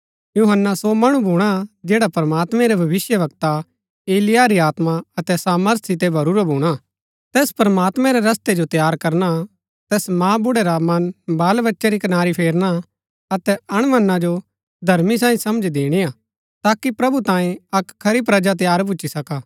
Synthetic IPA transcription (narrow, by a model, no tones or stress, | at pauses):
juɦənːasomɐɽ̃ũbʱuːɽ̃ad͡ʒeːɽapɾɐmaːt̪mɛ̃ɾebʱɐʋɪsjəʋɐkt̪a | eːlɪjaɾiaːt̪maɐt̪ɛsaːməɾt̪ʰsɪt̪ebʱɐɾuːɾbʱuːɽ̃a | t̪eːspɾəmaːt̪mɛ̃ɾɛɾɐst̪ed͡ʒot̪jaːɾkɐɾna | t̪ɛːsmãːbʊɽeɾamɐnbaːlʋɐtːʃaɾikɐnaːɾipʰeːɾna | ɐt̪ɛɐɽ̃mɐnːad͡ʒo | d̪ʱɐɾmis̬ãːĩsɐmd͡ʒd̪eːɽ̃iaː | t̪aːkipɾɐbʱut̪ãːĩɐkʰːɐɾip̬ɾɐd͡ʒat̪̬jaːɾp̬ʊʃisɐkaː